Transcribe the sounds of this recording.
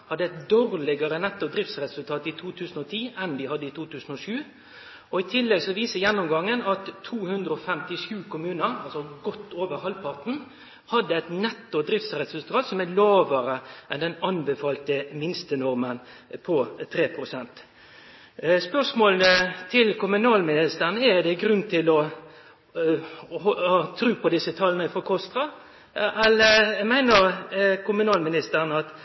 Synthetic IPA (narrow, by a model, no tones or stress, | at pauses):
hɑd̪ːəɛt̪̚d̪oːʁlɪɡəɾənɛt̪ːʊd̪ɾɪft̪sɾɛsʉlt̪ʰɑːt̪ɪt̪ʰuːt̪ʰʉːsnɔt̪ʰiːɛnd̪ɪhɑd̪ːəɪt̪ʰuːt̪ʰʉːsn̩ɔʂʉː | ɔɪt̪ʰɪlːɛɡsɔʋiːsəjɛnːʊmɡɑŋːənɑt̪ʰːuːhʉnd̪ɾəɔfɛmt̪ɪʂʉːkʰʊmʉːnəɾɑlsɔɡɔt̪ːoːʋəɾhɑlpʰɑʁt̪n̩ | hɑd̪ːəɛt̪nɛt̪ːʊd̪ɾɪft̪sɾɛt̪sʉlt̪ʰɑːt̪sɔmælɑːʋəɾəʔɛnd̪ɛnɑnbɛfɑːlt̪əmɪnst̪ənɔʁmən | pʰɔt̪ʰɾeːpʰʁʊsɛnt̪ | spœʁsmoːlnət̪ʰɪlkʊmʉnɑːlmɪnɪst̪əʁənəɛd̪ɛɡɾʉnt̪ʰɪlɔ | hɑt̪ʰɾʉːpʰɔd̪ɪsət̪ʰɑlnəfɔkʰɔst̪ʁɑ | ɛlːəmæɪnəɾkʊmʉnɑːlmɪnɪst̪əʁnəɑt̪